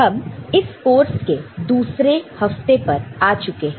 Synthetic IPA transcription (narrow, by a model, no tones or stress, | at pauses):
ɦɐbɪskoːɾsked̪uːsɾehɐft̪epɐɾaːt͡ʃʊkeɦɛ̃